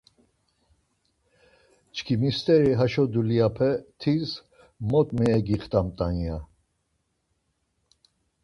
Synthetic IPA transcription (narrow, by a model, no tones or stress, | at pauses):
t͡ʃʰkʰimist̪ʼɛɾiɦaʃɔd̪uliapʰɛt̪ʰiz | mɔt̪ʼmɛɛɡiχt̪ʼamt̪ʼanija